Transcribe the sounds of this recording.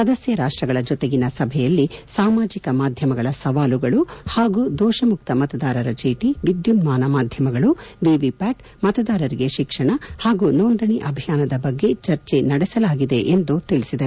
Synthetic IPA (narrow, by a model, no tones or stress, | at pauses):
sɐd̪ɐsjɐɾaːʂʈɾɐɡɐɭɐd͡ʒɔt̪eɡinɐsɐbʱɛjɐlːisaːmaːd͡ʒikɐmaːd̪ʱjɐmɐɡɐɭɐsɐʋaːluɡɐɭuhaːɡuːd̪ɔːʃɐmuk̚t̪ɐmɐt̪ɐd̪aːɾɐɾɐt͡ʃeːʈiʋid̪junmaːnɐmaːd̪ʱjɐmɐɡɐɭuʋiʋipaːʈ | mɐt̪ɐd̪aːɾɐɾiɡeʃikʂɐɳɐhaːɡunoːnd̪ɐɳiʔɐbʱijaːnɐd̪ɐbɐɡːe̞t͡ʃɐɾt͡ʃenɐɽɛsɐlaːɡid̪e̞ʔend̪ut̪iɭisid̪ɐɾu